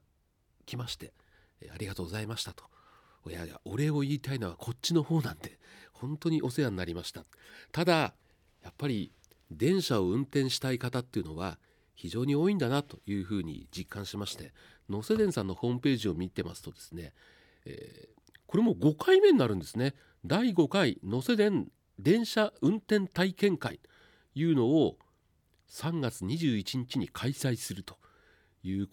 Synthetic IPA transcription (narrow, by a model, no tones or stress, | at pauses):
kʲʰimaɕi̥t̪e̞ | a̰ɾʲiɡat̪o̞ːɡo̞zaimaɕi̥t̪at̪o̥ | ojaɡa̰o̞ɾe̞o̞iːt̪ainoβakʰo̞t͡ɕːino̞ho̞ːnãnt̪e̞̥hõ̞nt̪o̞ɲ̟iʔo̞se̞jãnːaɾʲimaɕi̥t̪a | t̪ad̪a | japːaɾʲi | d̪ẽ̞ɰ̃ɕao̞ɯ̟̃nt̪ẽ̞ɰ̃ɕi̥t̪aikat̪at̪ːeɯ̟no̞βa | çiʑo̞ːɲ̟io̞ːĩnd̪anat̪o̞jɯ̟ːɸɯ̟ːɲ̟ḭd͡ʑikːãɰ̃ɕimaɕi̥t̪e̞ | no̞se̞d̪ẽ̞ɰ̃sãnːo̞ho̞ːmɯ̟pe̞ːʑio̞mʲit̪e̞ma̰sɨ̥t̪o̞d̪e̞sɨ̥ne̞̰ː | ko̞ɾe̞mo̞ɡo̞kʰaime̞ɲinaɾɯ̟̃nd̪e̞sɨne̞ | d̪aiɡo̞kaino̞se̞d̪ẽ̞n | d̪ẽ̞ɰ̃ɕaɯ̟̃nt̪ẽ̞nt̪aikẽ̞ŋkaḭ | jɯ̟ːno̞ː | sãŋɡat͡sɨɲ̟iʑɨːit͡ɕiɲ̟it͡ɕiɲ̟ikʰaisaisɨɾɯ̟t̪o̞̥ | jɯ̟ː